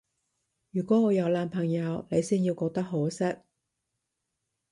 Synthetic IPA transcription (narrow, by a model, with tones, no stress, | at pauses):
jyː˨˩kʷɔː˨˥ŋɔː˨˧jɐ˨˧wlaː˧npʰɐ˨˩ŋjɐ˨˧wne˨˧jsiː˥njiː˧wkɔː˧k̚t̪ɐ˥k̚ɦoː˨˥sɪ˥k̚